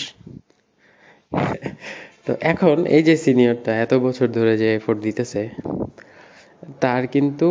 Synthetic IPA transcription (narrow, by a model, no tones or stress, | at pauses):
t̪oʔɛkʰonḛjd͡ʑesinijoɾʈaɛt̪obɔt͡ɕʰoɾd̪ʱoɾed͡ʑefoʈd̪it̪et͡ɕʰe | t̪aɾkint̪u